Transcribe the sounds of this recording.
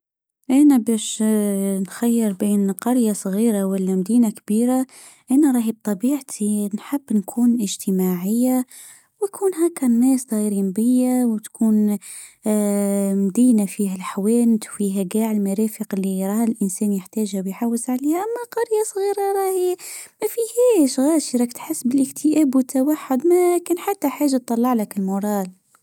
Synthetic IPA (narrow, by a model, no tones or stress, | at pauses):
ʔænæbæʃ | nxajːəɾbiːnqɑɾjasˤɣiːɾawalːæmd̪iːnakbiːɾa | ʔænaɾˤɑːhib̚t̪ˤɑbiːʕt̪ʰinħəbːnkʰuːnʔɪʒt̪ʰəmaʕɪjːa | wkʰuːnɦakːanːɛːsd̪ˤɑjɾimbɪjːawt̪kʰuːn | md̪iːnafiːɦælħawæːnt̪wfiːɦæɡaːʕɪlmaɾɑːfəqɪlːiɾˤɑːhɪlʔɪnsɛːnjəħt̪æːʒhawjħawːəsʕaleːhæmːaqɑɾjasˤɣiːɾɑɾˤɑhmæfihæːʃɣaːʃiɾˤɑkt̪ħɪsːbɪlʔɪkt̪ʰɪʔæːbwɪt̪ʰːawaħːʊd̪mækæːnħat̪ːaħaːʒat̪ˤːɑlːɑʕlakɪlmʊɾˤɑːl